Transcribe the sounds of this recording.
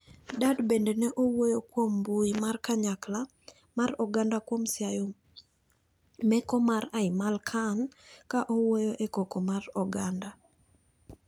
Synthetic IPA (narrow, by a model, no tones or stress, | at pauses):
dadbendenɛʔowojokwombuimarkaɲakla | marɔɡandakwomsjajo | mɛkɔmaɾaɪmalkʰaŋkaʔowojoʔekokomarɔɡanda